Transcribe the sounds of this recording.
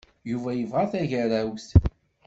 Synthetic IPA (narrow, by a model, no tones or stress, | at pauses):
juvæjəvʁaθæʝəɾæwst̪